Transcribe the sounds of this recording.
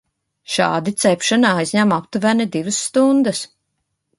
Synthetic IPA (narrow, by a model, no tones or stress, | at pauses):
ʃɑ̰ːd̪it̪sɛpʃanaajzʲɲæmapt̪uvænɛd̪ivəsːt̪und̪əs